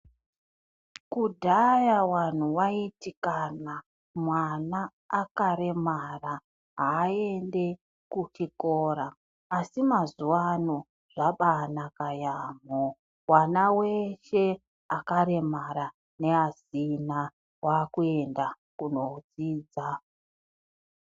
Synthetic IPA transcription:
kudʱajawan̤uwaitikana | mwanaː | kaɾe̞mara | ɦaːende̞ | kut͡ʃiko̞ːɾaː | simazuwano | ʐ̥aɓanakajaːmo | wanawe̞ʃe̞ | akaɾe̞maɾa | ne̞ɦazina | wakue̞nda | kuno̞d͡ziːd͡za

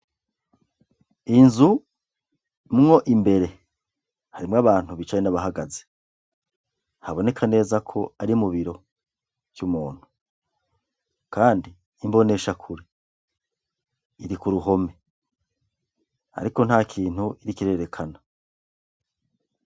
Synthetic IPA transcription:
inzu | mŋo̞ʔimbe̞ɾe̞ | haɾimŋaβaːn̥huβit͡ʃajenaβaɦaɡaze | haβo̞ne̞kʰane̞ːzakʰo̞aɾiumuβiɾo̞ | v̥jumuːn̥hu̥ | kaːndiː | mbo̞ne̞ʃakʰuɾe | ɾikuɾuɦo̞me̞ | a̰ɾiko̞n̥haːkʰiːn̥huiɾikiɾe̞ɾe̞kʰana

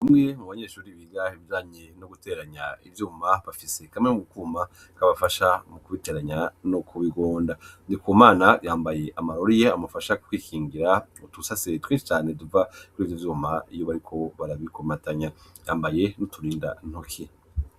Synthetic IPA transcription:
amŋemuβaɲe̞ːʃuːɾiβiːɡahiβid͡ʒaːɲenoɡutʰe̞ɾaɲa̰ivjuːmaβafise̞kamŋemuukuːma | kaβafaʃamukuβite̞ɾaɲanokʰuβiɡoːndandikomaːnajaːmbaje̞ʔamaɾoɾijeamafaʃaukwiːkʰiːŋɡiɾautusasetwenʃi̥t͡ʃaːne̞duvakuɾiːvjovjuːmaijo̞βaɾikʰo̞βaɾaβikomataɲajaːmbaje̞nutʰuɾiːnda̰n̥okʰi

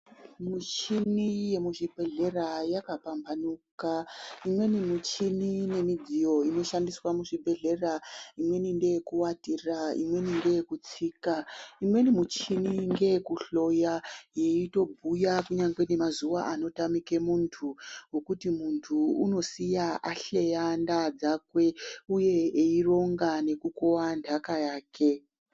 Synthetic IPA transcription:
mut͡ʃinije̞muʐib̥ʱe̞ɮe̞rajakapambʱanukaimwe̞nimut͡ʃinine̞mid͡zijo̞ino̞ʃandiswamuʐibʱe̞ɮe̞raimwe̞ninde̞jekuwatiraḭmwe̞ninde̞jekut͡siːkaimwe̞nimut͡ʃiniŋɡe̞kuɬo̞jaje̞ito̞bʱujakuɲaŋɡwe̞ne̞mazuʋaʔano̞tamike̞muntʰuwokutimuntʰuuno̞sijaʔaɬejandad͡zakwe̞uje̞eiro̞ŋɡane̞kukowandʱakajaːkʰe̞

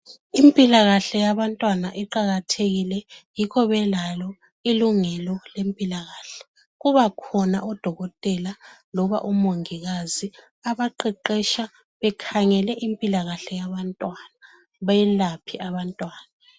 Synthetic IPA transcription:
impʼilaɣaɬɛjaβantʼwanaʔiǃaɣatʰeɣilɛjikʰɔβɛlalɔ | iluŋɛlɔlempʼilaɣaːɬɛ̥ | ɣuβakʰɔnaʔɔd̥ʱɔɣɔtʼɛlalɔβa̰ʔumoŋiɣazi | aβaǃɛǃɛʃa | βɛkʰaŋɛlɛʔimpʼilaɣaɬɛjaβantʼwana | βajɛlapʰiʔaβantʼwaːna

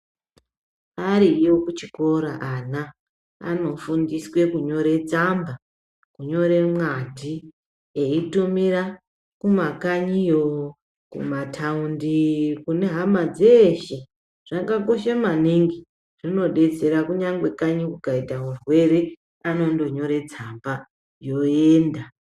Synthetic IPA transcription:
aɾijokut͡ʃiko̞ɾaʔana̰ː | no̞fundiswe̞kuɲo̞ɾe̞d͡zamba | kuɲo̞ɾe̞mwadʱi | eitumiɾa | kumakaɲijo | kṵmatʰaundikune̞ɦamad͡zeʃe | ʐ̥aɡako̞ʃamaniŋɡi | ʐ̥ino̞ɗe̞t͡se̞ɾakuɲaŋɡwe̞kaɲikukaitaɦurwe̞ɾe | ano̞ndo̞ɲo̞ɾe̞d͡zamba | jo̞eːnda

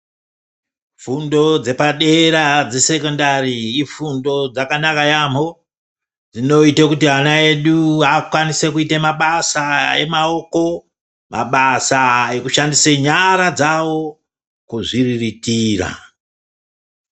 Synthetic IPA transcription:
fundo̞d͡ze̞paɗe̞ɾad͡zese̞kondariːfundo̞d͡zakanakajamo̞ | d͡zino̞itekutiɦanae̞ɗuakwanise̞kuitemaɓasae̞̰mao̞ko̞ | ma̰ɓasae̞kuʃandiseɲaɾad͡zawo̞ | kuʐiriritiːra̰

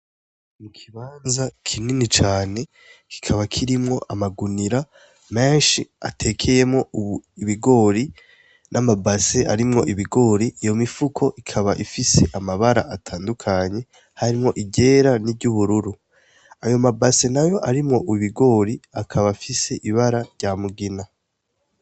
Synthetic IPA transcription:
mukʰiβaːnzakʰininit͡ʃaːne̞ | ki̥kʰaβakʰiɾimŋo̞ʔamaɡuniɾa | me̞ːnʃia̰tʰekʰe̞je̞mŋo̞uiβiɡo̞ːɾi | nʔamabase̞ʔa̰ɾimŋo̞ʔiβiɡo̞ːɾiʔːjo̞mifukʰo̞ʔikʰaβaʔifise̞ʔamaβaɾa̰ʔatʰaːndukʰaɲe̞ | haɾimŋo̞ʔiɟe̞ːɾaniɟuβuɾuɾu | ajo̞mabase̞najo̞ʔaɾimŋo̞ʔuβiβiɡo̞ːɾiakʰaβafise̞ʔiβaɾaɾjaːmuɡina

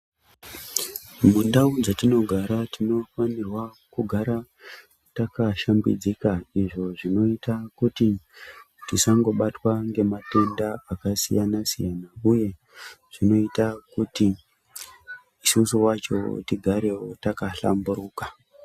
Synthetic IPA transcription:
mundaud͡zatino̞ɡʱaɾatino̞fanirwa | kuɡʱaɾa | takaʃambḭd͡zikaiʐo̞ʐino̞itakuti | tisaŋɡo̞ɓatwaŋɡe̞mate̞ndaakasḭjanasijanauje̞ | ʐ̥ino̞itakuti | isusuwat͡ʃo̞̰tiɡʱaɾe̞wotakaɬa̰mbuɾuːka

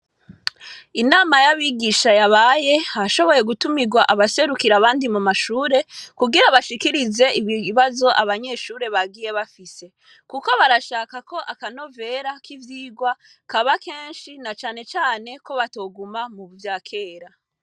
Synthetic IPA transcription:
inaːmajaβiɡiʃajaβaje̞haʃo̞βo̞je̞ɡutumiɡwaʔaβase̞ɾukiɾaβaːndimumaʃuːɾe̞kuɡiɾaβaʃikiɾize̞iβjiiβazo̞ʔaβaɲe̞ʃuːɾe̞βaɡiːje̞βafise̞ | kuko̞βaɾaʃaːkako̞ʔakano̞ve̞ɾakivjiːɡwa | kaβake̞ːnʃinat͡ʃaːne̞t͡ʃaːne̞ko̞βato̞ːɡumamuβuvjaːkʰe̞ːɾa

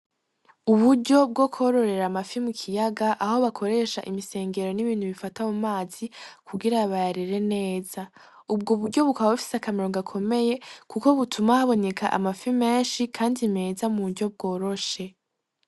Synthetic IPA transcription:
uβuɾɟo̞bɡokʰo̞ɾo̞ɾe̞ɾamafimukʰijaɡaʔaho̞βakʰo̞ɾe̞ːʃa̰ʔimise̞ːŋɡe̞ɾo̞niβiːnhuβifatamumaːz̥ikʰuɡiɾaβajaɾiɾe̞ne̞ːz̥a | ubɡoβuɾɟo̞βukaβaβufi̥sakameɾoŋɡakʰo̞me̞je̞kuko̞βutʰumahaβo̞ne̞kʰa̰ʔa̰mafime̞ːnʃikʰaːndime̞ːzamuβuɟob̚ɡo̞ːɾo̞ʃe̞

